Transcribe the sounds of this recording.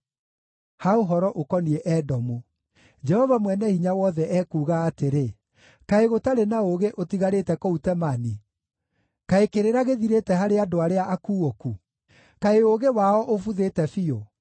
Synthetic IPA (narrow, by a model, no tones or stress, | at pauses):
haoɦɔɾɔʔokɔniɛʔɛdɔmu | d͡ʒɛhɔvamwɛnɛhiɲawɔðɛʔɛkuːɣaːteɾe | kaeɣotaɾenaoɣeʔotiɣaɾetɛkɔutɛmani | kaekeɾeɾaɣeðiɾetɛɦaɾeadoaɾeaʔakuːoku | kaeoɣewaɔʔofuðetɛfio